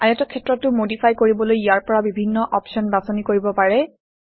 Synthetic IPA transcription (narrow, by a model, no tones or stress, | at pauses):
ajatɔkʰɛtːɹɔtːʊmodipʰajkoɹibɔlojijaɹpɔɹabibʱinːɔʔɔpsɔnbasɔnikoɹibɔpaɹɛ